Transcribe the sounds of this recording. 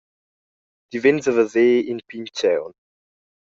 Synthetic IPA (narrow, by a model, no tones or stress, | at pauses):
d̥ivɛ̃nzəvəzeːɪ̃npʰĩŋtʰãʊ̃n